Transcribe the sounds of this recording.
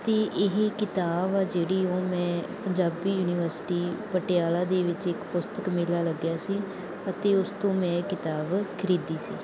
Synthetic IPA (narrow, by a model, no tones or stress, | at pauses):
t̪eːʔɪɦkɪt̪aːbaːd͡ʒeːɽiːoːmɛ̃ːpəɲd͡ʒaːbiːjuːnɪːʋəɾsʈiːpəʈɪjaːlãːd̪eːʋɪt͡ʃɪkpʊst̪əkmɪlaːləɡjaːsiː | ət̪eːʊst̪õːmɛ̃ːkɪt̪aːbkʰɪɾiːd̪iːsḭː